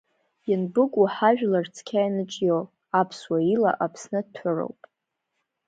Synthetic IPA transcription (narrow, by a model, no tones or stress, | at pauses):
jɪnbɨkʷʼuħaʒᶣlart͡sʰkʲʰajnɨt͡ʃʼjow | apʰswaila̰ʔapʰsnɨtʰʊro̰wpʼ